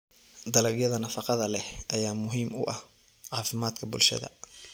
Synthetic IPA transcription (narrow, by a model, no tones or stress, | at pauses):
d̪ɐlɐɡjɐðɐnɐfɑqɑðɐlɛhʔɐjaːmʊɦiːmʊʔɐh | ʕɑːfɪmaːd̪kʰɐbʊ̰lʃɐ̰ðɐ̰